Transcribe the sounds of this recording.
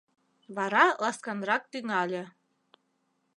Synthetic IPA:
βɑɾɑlɑskɑnɾɑk̚t̪yŋɑlʲĕ

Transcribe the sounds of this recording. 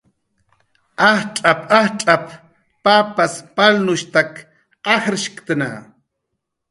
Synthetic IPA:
ɑχʈ͡ʂʼapɑχʈ͡ʂʼap | papaspalnʊʃt̪ak | qɑxɾɪʃkt̪ana̰

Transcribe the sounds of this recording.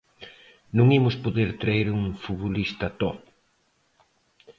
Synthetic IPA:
nũŋimʊspoðeɾt̪ɾaeɾuŋfuβolist̪ɐt̪ɔp

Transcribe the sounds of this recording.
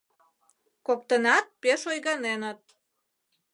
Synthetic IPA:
kok̚t̪ənɑt̪̚peʃojɣɑnenət̪̚

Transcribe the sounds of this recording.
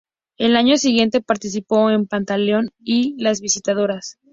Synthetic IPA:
e̞laɲo̞siɣje̞nt̪e̞paɾt̪is̬ipo̞e̞mpant̪aljo̞nilazβisit̪að̞o̞ɾas

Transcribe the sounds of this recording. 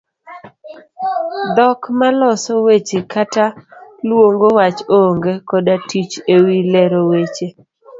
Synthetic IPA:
d̪ɔkmalɔsɔwet͡ʃekatalwoŋɡowat͡ʃoŋɡekɔdatit͡ʃewilɛɾowet͡ʃe

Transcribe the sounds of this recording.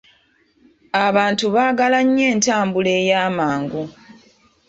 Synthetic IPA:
aβaːntuβaːɡalaɲːe̞ːntaːmbuleːjaːmaːŋɡu

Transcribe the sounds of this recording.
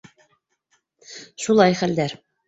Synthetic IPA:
ʃulˠɑjχæld̪æɾ

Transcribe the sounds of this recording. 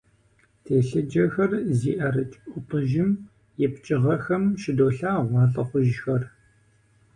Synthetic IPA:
tʰeːɬɨd͡ʒɐxɐrziːʔɐɾɨt͡ʃʼʔʷʊpʰɨʒɪm | jɛpt͡ʃʼɪʁɐxɐmʃɪdoːɬaːʁʷɑːɬʼɐχʷʊʒxɐr

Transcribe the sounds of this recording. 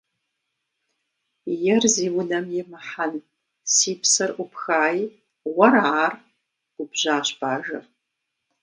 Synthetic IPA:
jɛrziwʊnɐmjɪmaħan | siːpʰsɐrupʰxaːj | waɾaʕar | ɡubʒʷaːʃbaːʒɨ

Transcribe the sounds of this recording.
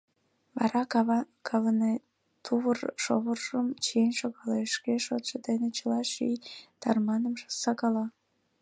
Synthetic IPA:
βɑ̰ɾɑkʰɑβəne | t̪ʰuβərʃo̰βərʒəmt͡ɕijenʃoɣɑleʃkeʃot̪ʃəd̪enet͡ɕəlɑʃḭjt̪ɑ̰rmɑnəmʒə̥sɑɣɑlɑ

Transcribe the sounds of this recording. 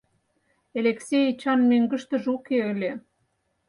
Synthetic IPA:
elʲeksʲejt͡ɕɑnmøŋɡə̆ʃt̪ə̆ʒukeə̆lʲe

